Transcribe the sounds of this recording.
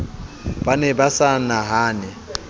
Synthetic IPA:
b̥anɛbasanaɦaːnɪ

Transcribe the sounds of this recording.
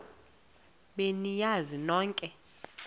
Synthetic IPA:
ɓenijazinɔːŋkʼɛ

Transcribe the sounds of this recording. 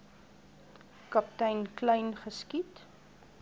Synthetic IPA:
kɐptɛjnklɛjnχəskit

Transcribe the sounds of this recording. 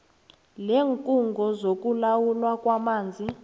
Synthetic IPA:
leːŋkʼuŋɡʱɔzok̬ʼulawulwakʼwamaːnd͡zʱi

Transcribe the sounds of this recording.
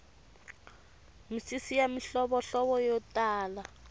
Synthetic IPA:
misisijamiɬɔβɔɬɔβɔjɔtaːla

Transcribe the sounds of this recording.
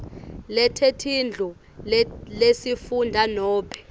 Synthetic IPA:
lɛtʰetʰind͡ɮʱu | lesifundʱanɔːpʰɛ̥

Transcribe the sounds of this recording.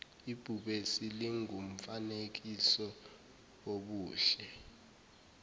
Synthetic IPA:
ib̥ʱuɓesiliŋum̩fanek̬isɔ | oɓuːɬɛ

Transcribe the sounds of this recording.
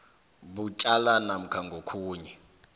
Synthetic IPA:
but͡ʃʼalanam̩kʰaŋɡʱokʰuːɲɛ

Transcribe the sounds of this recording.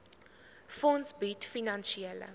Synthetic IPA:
fɔ̃nsbitfinanʃiɛlə̰

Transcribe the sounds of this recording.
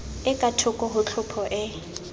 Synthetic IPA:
ɪkʼatʰʊkʼɔɦʊt͡ɬʰʊpʰɔʔɪ

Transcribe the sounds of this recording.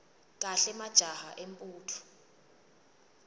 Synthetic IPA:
kʼaɬɛmad̥ʒ̥ʱahaʔempʼuːtʰu̥

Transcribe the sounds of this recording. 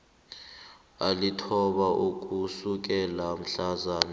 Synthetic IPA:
alitʰɔɓaʔuk̬ʼusuk̬ɛlam̩ɬazaːna

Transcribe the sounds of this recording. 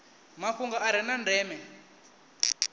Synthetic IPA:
maɸuŋɡaʔaɾ̤inandɛːmɛ

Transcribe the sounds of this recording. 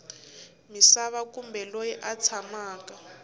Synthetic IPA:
misaβakumbɛlojiʔat͡sʰamaːka

